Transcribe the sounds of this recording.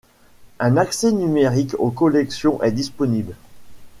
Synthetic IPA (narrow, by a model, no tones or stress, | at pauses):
ɛ̃naksɛnymeʁikokɔlɛksjɔ̃ʔɛd̪ispɔnibl